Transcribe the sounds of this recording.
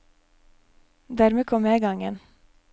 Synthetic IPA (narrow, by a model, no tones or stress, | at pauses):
d̪æːɾmeːkʰɔmjæɡɑŋən